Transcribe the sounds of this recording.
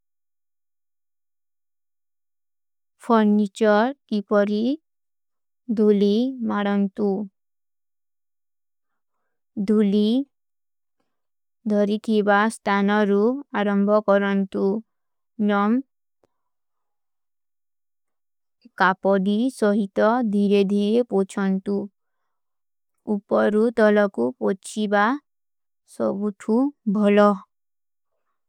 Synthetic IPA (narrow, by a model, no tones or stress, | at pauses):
pʰɔɾnit͡ʃɔɾkipɔɾi | d̪ʱulimaɽɔnt̪u | d̪ʱuli | d̪ʱɔɾit̪ʰibast̪ʰanɔɾuaɾɔmbʱɔkɔɾɔnt̪u | nɔm | kapɔɖisɔɦit̪ɔd̪ʱiɾed̪ʱiɾepot͡ʃʰɔnt̪u | upɔɾut̪ɔlɔkupot͡ʃʰiba | sɔ̰buʈʰubʱɔlɔ